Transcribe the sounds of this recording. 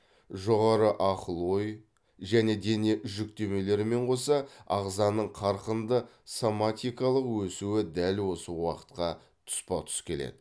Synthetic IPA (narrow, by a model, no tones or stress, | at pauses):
ʒo̞ʁɑɾəʔɑqəlˠwo̞j | ʒæne̞d̪e̞ne̞ʒʏkt̪e̞me̞le̞ɾɪme̞ɴqʰo̞sɑɑ̰ʁzɑnəɴqʰɑɾqənd̪ə | somat̪ʲijkɑlˠəqwɵsuɪd̪ælwo̞səwɑqə̥t̪qɑ | t̪ʰʊ̥spɑt̪ʰʏ̥skʲʰe̞lḛd̪ɪ